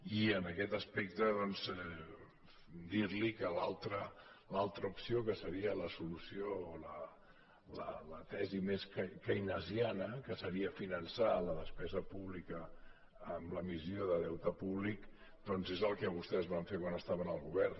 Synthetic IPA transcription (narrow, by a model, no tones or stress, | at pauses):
iənəkɛt̪əspɛk̚t̪əðɔnzɛ | d̪iɾlikəlalˠt̪ɾəlalˠt̪ɾəupsiokəsəɾiələsulusioːlə | lə̰lət̪ɛzimeskkəjnəzianəkəsəɾiəfinənsaləðəspɛzəpuβlikəː | mləmizioðəðɛwt̪əpuβlik | d̪̥ɔnzezəlˠkɛβ̞ust̪ɛzβaɱfekwanəst̪aβənəlˠɣuβɛrn